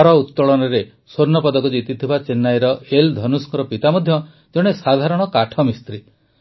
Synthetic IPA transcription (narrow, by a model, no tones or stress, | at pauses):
ɾɔut̪ːɔɭɔnɔɾe | soɾnɔpɔd̪ɔkud͡ʒit̪it̪ʰibat͡ʃenːajɾɔeld̪ʱɔnuskɔɾɔpit̪amɔd̪ʱjɔ | d͡ʒoɽ̃esad̪ʱaɾɔɽ̃ɔkaʈʰɔmist̪ɾi